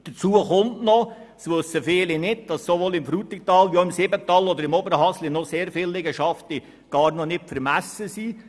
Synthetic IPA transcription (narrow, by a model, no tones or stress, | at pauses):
d̥ət͡suːəχʊntnɔ | sʋɵsəfɪːlinɪdd̥ɑssoʋoːlɪmfɾuːt̪ɪk̚tɑːlʋioɪmsɪbətːɑːlɔd̪əɾɪmɔbəɾəɦɑslinɔseːɾfɪlːɪɡəʃɑfti | ɡ̥ɑːɾnɔnɪtfəɾmæsːəsiː